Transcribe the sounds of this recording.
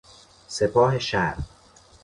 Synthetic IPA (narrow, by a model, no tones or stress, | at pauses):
se̞pʰɒːhe̞ʃæɾ